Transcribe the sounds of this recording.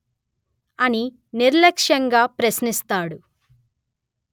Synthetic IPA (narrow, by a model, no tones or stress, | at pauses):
ɐni | niɾlɐkʂjɐŋɡaːpɾɐsnist̪aːɽu